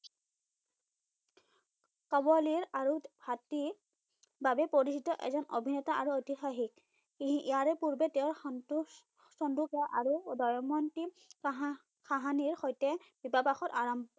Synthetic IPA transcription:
kabɔliɹaɹubʱati | babɛpoɹisitɔʔɛ̰zɔnobʱinɛtaʔaɹuotixaxik̚ | iʔijaɹɛpuɹbɛtɛʊɹn | sɔndukɛʔaɹudɔjɔmɔnti | kʰaɦaniɹxojtɛb̥ibapaxɔtaɹɔmb

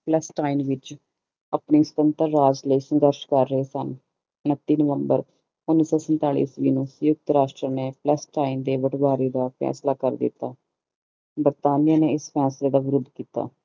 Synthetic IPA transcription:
plɛsʈaːinʋɪt͡ʃ | əpniːsə̥t̪ənt̪əɾːaːd͡ʒləiːsəŋɡəɾʃkəɾːəɦeːsən | ʊnət̪ːiːnəʋəmbəɾ | ʊnːiːsɔːsənt̪aːɭḭːsʋiːnũːsʊjʊk̚t̪ɾaːʃʈɾəneːplɛsʈaːind̪eːʋəʈʰʋaːɾiːd̪aːpʰɛ̰ːslaːkəɾd̪ɪ̰t̪ːaː | bəɾt̪aːnijaːneːɪspʰɛːsleːd̪aːʋɪɾʊd̪kiːt̪a̰ː

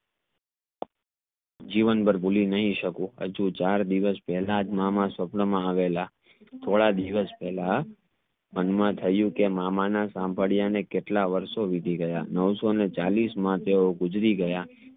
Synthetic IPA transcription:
d͡ʒiʋənbəɾbulinəɦĩʃəkũɦə̰d͡ʒũt͡ʃaɾd̪iʋəspɛɦlad͡ʒmamãsəpɳəmãaʋela | t̪ʰoɭad̪iʋəspɛɦla | mənmãt̪ʰəjũkemamanasãmbʱəɽijanekeʈlaʋəɾʃoʋid̪ʱiɡəjanəʋsonet͡ʃalismãt̪eoɡʊd͡ʒɾiɡəja

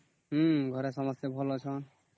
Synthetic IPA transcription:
ɦuɡʱʌɾesʌmʌsjʌbʱolot͡sʰʌ

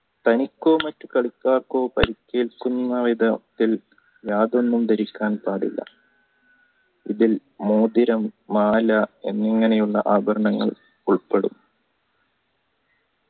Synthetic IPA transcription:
t̪ɐnikʲːo̞ːmɐtːukɐɭikʲːaːrko̞ːpɐ̰ɾikʲːeːlkunːɐʋid̪ɐt̪ːil | jaːðo̞nːumd̪ɐɾikʲːaːnpaːɽḭlːɐ̰ | iðilmoːd̪iɾɐmːaːlɐḛnːeŋːɐnejuɭːɐ̰ʔaːbʱɐɾɐɳɐŋːɐɭ | uɭpeɽum

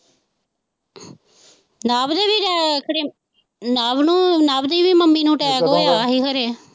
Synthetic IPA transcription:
naːbd̪eːbiːɾɛːkəɽeː | naːbnũːnaːbd̪iːʋiːməmːiːnũːʈɛːkoːjaːɦiːkʰəɾeː

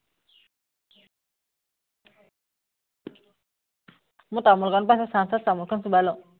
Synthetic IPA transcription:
mut̪amulkʰanpasasansat̪̚samulkʰansubalɔ

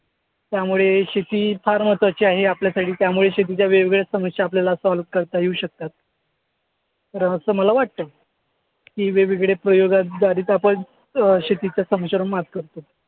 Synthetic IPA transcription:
t̪jamuɭeɕet̪iːfaɾmət̪ət͡ɕiaɦeapljasaʈʰiːt̪jamuɭeɕet̪̬it͡ɕjaʋeʋiɡɭesəməsjaːpljalasalkəɾt̪aɦjeuɕək̚t̪at̪̚ | əɾəɳəsəːməlaʋaʈ̚t̪əː | kiːʋeʋiɡɭepɾəjoɡad̪aɾiːt̪apəɳ | ɕet̪it͡ɕjasəməɕəɾuɳmat̪kəɾt̪o

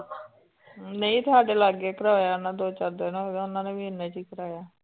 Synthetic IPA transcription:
nəĩːt̪ʰʊaːɖeːlaɡeːkəɾaːjaːnãːd̪oːt͡ʃaːɾd̪eːnõːʊnãːneːʋiːɪnːẽːt͡ʃiːkəɾaːjaː

